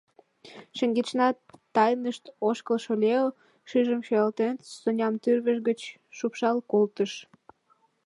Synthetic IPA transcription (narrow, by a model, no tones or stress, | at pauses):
ʃəŋɡet͡ɕnɑt̪ːɑjnəʃt̪oʃkəlʃolʲeo | ʃyʒəmʃøɑlt̪ensonʲɑmt̪yrβəʃɡət͡ɕ | ʃupʃɑlkolt̪əʃ